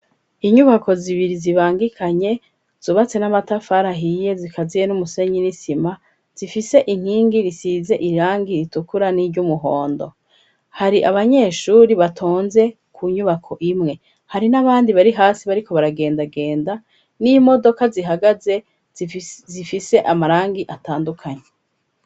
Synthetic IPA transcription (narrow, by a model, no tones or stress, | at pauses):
iɲuβakʰo̞ziβiɾiziβaːŋɡikʰaɲe̞ | z̥uβat͡se̞namatafaɾaɦije̞zikʰazijenumuse̞ɲinisima | z̥ifise̞ʔiŋ̥hiːŋɡiɾisize̞ʔiɾaːŋɡiɾitukuɾaniɾɟumuɦo̰ːndo̞̰ | haɾiʔaβaɲe̞ːʃuɾiβatʰoːnze̞ | kʰuɲuβakʰo̞ʔimŋe̞ | haɾinaβaːndiβaɾiɦaːsiβaɾiko̞βaɾaɡe̞ːndaɡe̞ːnda | nimo̞do̞kaziɦaɡaze̞ | zifise̞ʔamaɾaːŋɡiʔataːndukʰaɲe